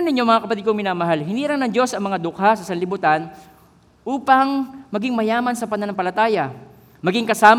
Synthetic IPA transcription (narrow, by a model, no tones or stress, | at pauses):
ɐnɪɲo̞mɐŋakɐpɐt̪ɪd̪̚koŋmɪnaːmɐɦalhɪniːɾɐŋnɐŋd͡ʒo̞sɐŋmɐŋad̪ʊkhasɐsɐnlɪbut̪an | ʔuːpɐŋmɐɡɪŋmɐjaːmɐnsɐpɐnɐnɐŋpɐlɐt̪aːjɐ | mɐɡɪŋkɐsaːm